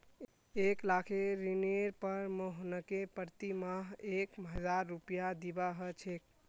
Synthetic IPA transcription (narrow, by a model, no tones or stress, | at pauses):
eklakʰeɾineɾpəɾməɦnəkepəɾt̪imaɦekmɦəd͡ʒaɾːupijad̪ibaɦət͡ʃʰek̚